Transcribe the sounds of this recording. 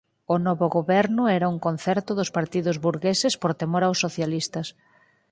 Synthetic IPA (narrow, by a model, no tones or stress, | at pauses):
ʊnɔβʊɣoβɛɾnʊɛɾauŋkon̟θɛɾt̪ʊðʊspaɾt̪iðʊzβuɾɣesespoɾt̪emoɾawsːoθjalist̪ɐs